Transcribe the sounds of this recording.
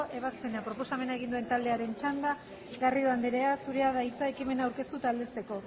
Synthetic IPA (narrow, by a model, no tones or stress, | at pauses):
ʔe̞βaspenapɾopo̞same̞naeɣ̞ind̪ue̞nt̪ald̪e̞aɾe̞nt͡ʃand̪a | ɣariðoand̪eɾe̞asuɾe̞aðait͡sae̞kime̞naːwɾke̞st̪ut̪ald̪e̞st̪e̞ko̞